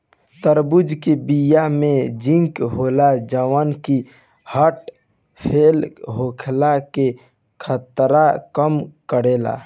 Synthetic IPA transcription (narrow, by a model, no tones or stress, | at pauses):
t̪əɾbʊd͡ʒkebijamẽd͡ʒĩŋkɦoːlad͡ʒəwənki | həʈ | pʰeːlɦoːkʰlake | kʰət̪ɾakəmkəɽeːla̰ː